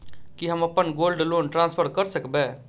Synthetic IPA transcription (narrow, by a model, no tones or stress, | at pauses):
kɪɦəməpːənɡoːlɖloːnʈɾãːnspʰəɾkəɾsəkbɛː